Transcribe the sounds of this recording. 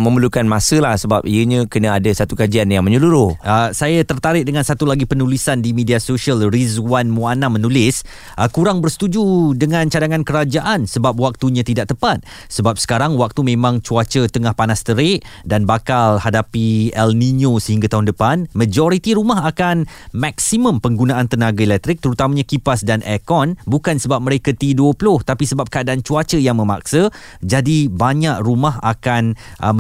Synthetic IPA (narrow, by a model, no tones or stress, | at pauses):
mə̃məlukanmasəlahsəbap̚iəɲãkənãadasat̪ukad͡ʒianjaŋməɲəluɾʊhʔəsajat̪ərt̪aɾɪʔ̚dəŋãnsat̪ulaɡipənulisandimediasoʃiəlriswanmũanamənulɪs | ʔəkuɾaŋbərsə̥t̪ud͡ʒudəŋãnt͡ʃadaŋãnkəɾad͡ʒaʔansəbap̚wak̚t̪uɲãt̪idaʔt̪əpat̪̚ | səbap̚sə̥kaɾaŋwak̚t̪umẽmãŋt͡ʃuat͡ʃət̪əŋahpanast̪əɾɪʔdanbakalhadapiɛlniɲosəɦiŋɡat̪aɦʊndəpanməd͡ʒɔɾit̪iɾumaɦakanmak̚simə̃mpəŋɡunãʔant̪ənaɡaelɛk̚t̪ɾɪk̚t̪əɾut̪amaɲãkipasdanʔɛkɔnbukansəbap̚mə̃ɾekat̪iduəplʊht̪apisəbap̚kəadaant͡ʃuat͡ʃəjaŋmə̃ma̰k̚sə | d͡ʒadibaɲaʔrumaɦa̰kanʔə